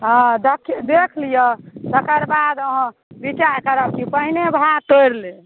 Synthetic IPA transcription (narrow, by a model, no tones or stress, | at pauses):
ɦɔ̃d̪əkʰd̪ekʰlijəd̪əkəɾbad̪əɦə̃ | bit͡ʃaɾkəɾəb̚kipəɦinebʱat̪ojɾle